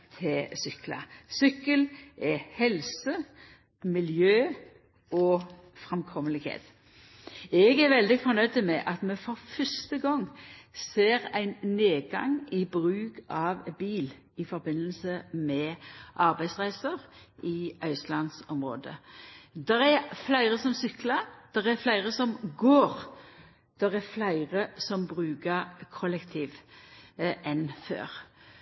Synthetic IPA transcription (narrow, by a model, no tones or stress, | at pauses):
t̪ʰɪsʏklə̰sʏkːəlʔɛhɛlsə | mɪljøː | ɔ | fʁɛmkʰɔməlɪhḛːt̪ | ɛɡæɾʋɛld̪ɪfɔɾnœʏd̪əmɛʔɑt̪mɛfɔɾfœst̪əɡɔŋːseːʁæɪnneːɡɑ̰ŋɪbʁʉːkɑʋbiːl | ɪfɔɾbɪnːəlsəmɛʔɑɾbæɪsʁæɪsəʁʔɪœʏslɑnsɔmʁo̰ːd̪ə̰d̪ɛɾæɾflæɪʁəsɔmsʏkləd̪̥ɛɾæflæɪʁəsɔmɡoːɾ | d̪̥ɛʁæɾflæɪʁəsɔmbɾʉːkəɾkʰɔlːɛkt̪ʰiːʋ | ɛnfø̰ːɾ